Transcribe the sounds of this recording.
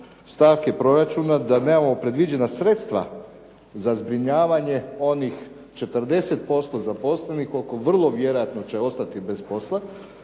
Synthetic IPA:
st̪aːʋkepɾo̞ɾat͡ʃunad̪aneːmamo̞pɾe̞d̪ʋid͡ʑe̞nasɾe̞t̪st̪ʋa̰ | zazbɾiɲaːʋaɲe̞o̞nix | t͡ʃe̞t̪ərd̪e̞set̪̚po̞st̪o̞zapo̞slenixoko̞ʋr̩lˠo̞ʋje̞ɾo̞jat̪no̞t͡ɕe̞o̞st̪at̪ibe̞spo̞slˠa

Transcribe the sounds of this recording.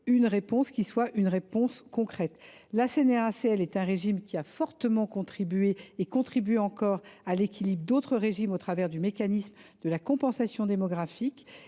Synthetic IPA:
ynʁepɔ̃skʲiswaʔynʁepɔ̃skɔ̃kχɛt̪lasenɛʁaseɛlɛt̪ɛ̃ʁeʒimkʲiafɔʁt̪əmɑ̃kɔ̃t̪χibɥeːkɔ̃t̪χibɥeɑ̃kɔʁalekʲʰilibʁd̪ot̪χəʁeʒimot̪χavɛʁd̪ymekanismd̪əlakɔ̃pɑ̃sasjɔ̃d̪emɔɡʁafik

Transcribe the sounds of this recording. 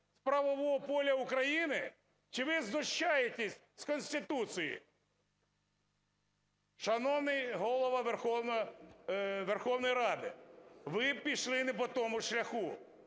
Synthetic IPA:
spɾɐʋɔʋɔɦɔpɔlʲɐʊkɾɐjinɪ | t͡ʃɪʋɪznʊʃt͡ʃajet̪ʲesʲ | skɔnʲsʲt̪ʲɪt̪ut͡ssʲijḭ | ʃɐnɔwnɪjɦɔlˠɔʋɐʋerxɔwn | ʋerxɔwnɔjɾɑd̪ɪʋɪpʲiʃlˠɪnɪp̬ɔt̪ɔmʊʃlʲɐxu

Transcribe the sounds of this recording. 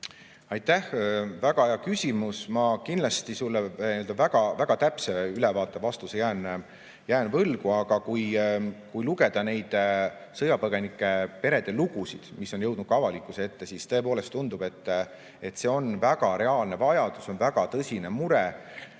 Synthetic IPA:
ɑjt̪ˑːæhvæɡ̥ɑejɑkysʲimusmɑkinlɑst̪isulːeiøld̪ɑvæɡ̥ɑvæɡ̥ɑt̪æpseylɛvɑːt̪ːˑevɑst̪usejæːn | jæːnvɤlɡ̥uɑɡ̥ɑkujkujluɡe̞d̪̥ɑne̞jd̪̥ | sɤjɑpɤɡ̥e̞nikːˑe̞pe̞ɾe̞d̪̥e̞luɡ̥usid̪̥misːo̞njɤwd̪nud̥̚kɑvɑlikːˑusee̞t̪ːe̞sist̪ɤ̞e̞po̞ːle̞st̪ːund̪̥ub̥e̞t̪ː | e̞t̪ːse̞o̞nvæɡ̥ɑɾe̞ɑːlne̞vɑjɑd̪̥uso̞nvæɡ̥ɑt̪ɤsʲine̞muɾe

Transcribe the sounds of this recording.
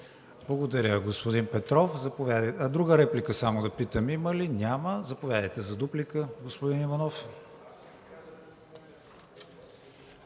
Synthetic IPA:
blˠɐɡod̪ɐɾʲəɡospod̪impɛt̪ɾɔfzɐpovʲjad̪əd̪ɾuɡəɾɛplikəsamod̪ɐpit̪əmiməlinʲaməzɐpovʲjad̪əjt̪ɛzɐd̪uplikəɡospʊd̪inivɐnɔf

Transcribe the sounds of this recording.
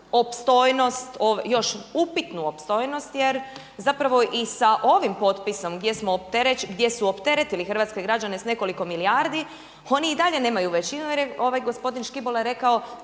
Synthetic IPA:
opst̪o̞jno̞st̪oʋjo̞ʃupit̪nuopst̪o̞jno̞st̪je̞ɾ | zapɾaʋo̞ʔisaʔo̞ʋimpo̞t̪piso̞mɡd̪je̞smoːp̚t̪eɾeɡd̪je̞suopt̪eɾet̪ilixr̩ʋaːt̪ske̞ɡɾad͡ʑane̞sne̞ko̞liko̞miliaɾd̪i | o̞niːd̪aʎe̞ne̞ːmajuʋe̞t͡ɕinujeɾjeo̞ʋajɡo̞spo̞d̪inʃkibolaɾe̞kao

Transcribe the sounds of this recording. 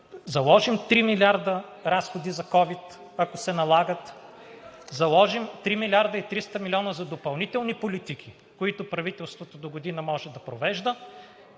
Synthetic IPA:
zɐlˠɔʒimt̪ɾimilʲaɾd̪ə | ɾasxod̪izɐkɔvit̪ | ɐkosɛnɐlˠaɡət̪ | zɐlˠɔʒimt̪ɾimilʲaɾd̪əit̪ɾist̪əmilʲiɔnəzɐd̪opɐlˠnit̪ɛlˠnipolit̪ik̟ʰi | koit̪ʊpɾɐvit̪ɛlˠst̪vot̪od̪oɡod̪inəmɔʒɛd̪ɐpɾovɛʒd̪ə

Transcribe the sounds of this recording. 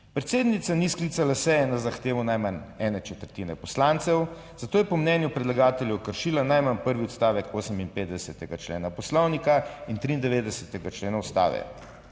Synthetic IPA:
pɾɛt̪seːd̪nit̪sanisklit̪salasɛjɛnazaxt̪eːʋɔnajmanɛːnɛt͡ʃɛt̪əɾt̪iːnɛpɔslant̪sɛw | z̥at̪oːjɛpɔmnɛnjupɾɛd̪laɡaːt̪ɛljɛwkəɾʃiːlanajmanpəɾʋiɔt̪st̪aːʋɛkoːsəminpeːd̪d̪ɛsɛt̪ɛɡat͡ʃlḛːnapɔslɔwnikaint̪ɾiːnd̪ɛʋeːd̪d̪ɛsɛt̪ɛɡat͡ʃleːnaust̪a̰ːʋɛ̰

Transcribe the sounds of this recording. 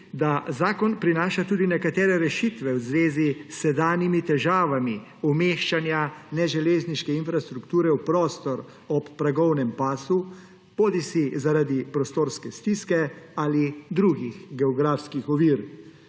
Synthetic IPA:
d̪azaːkɔnpɾinaːʃat̪uːd̪inɛkat̪ɛːɾɛɾɛʃit̪ʋɛwzʋeːzisːɛd̪aːnimit̪ɛʒaːʋami | ɔmeːʃt͡ʃanjanɛʒɛleːzniʃkɛinfɾast̪ɾukt̪uːɾɛwpɾɔːst̪ɔɾ | ɔpːɾaɡɔwnɛmpaːsu | poːd̪isizaɾad̪ipɾɔst̪oːɾskɛst̪iskɛalid̪ɾuɡiɣɡɛɔɡɾaːfskixɔʋiːɾ

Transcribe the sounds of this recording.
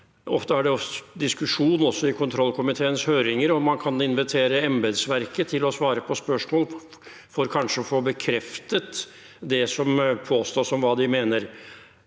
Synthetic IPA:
ɔft̪əæɖɛɔd̪ɪskʉʂuːnɔsːɔɪkʰʊnt̪ʰɾɔlkʰʊmɪt̪ʰeːənshøːɾɪŋəɾɔmɑnkʰɑnɪnʋɪt̪ʰeːɾəɛmbɛd̪sʋæɾkət̪ʰɪlɔsʋɑːɾəpʰɔspœʂmoːl | fɔɾkʰɑnʂəɔfoːbəkʰɾɛft̪ət̪ | d̪ɛsɔmpʰoːst̪oːʂɔmʋɑːd̪ɪmeːnəɾ

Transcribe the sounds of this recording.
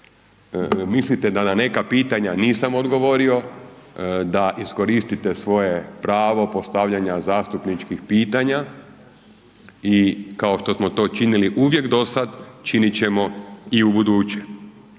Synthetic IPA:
mislit̪ed̪anane̞kapiːt̪aɲaniːsamod̪ɡo̞ʋo̞ɾio̞ | d̪aʔisko̞ɾist̪it̪esʋo̞je̞pɾaːʋo̞po̞st̪aʋʎaɲazaːst̪upnit͡ʃkixpiːt̪aɲa | ikao̞ʃt̪o̞smo̞t̪o̞ːt͡ʃiniliʔuʋje̞kd̪o̞sad̪t͡ʃinit͡ɕe̞mo̞iubud̪uːt͡ɕe̥

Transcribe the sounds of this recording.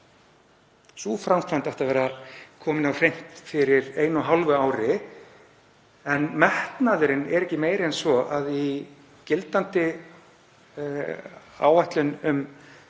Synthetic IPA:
suːfɾawmfʰajnt̪aht̪avɛːɾakʰɔːmɪnawr̥ejm̥t̪fɪɾɪɾeːjnʏɦalvʏaːwɾɪ | ɛnmɛht̪naðʏɾɪnɛɾɛhcɪmeːjɾɪɛnsvɔʔaði | cɪlt̪ant̪ɪ | a̰ːwajht̪lʏnʏm

